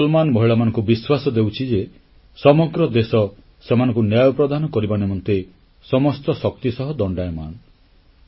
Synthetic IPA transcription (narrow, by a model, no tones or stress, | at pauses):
ɔlmanmɔɦiɭamanɔŋkubiswasɔd̪ewt͡ʃʰid͡ʒe | sɔmɔɡɾɔd̪esɔ | semanɔ̃ŋkunjajɔpɾɔd̪ʱanɔkɔɾibanemɔnt̪e | sɔmɔst̪ɔsɔkt̪isɔɦɔd̪ɔɳɖajɔma̰n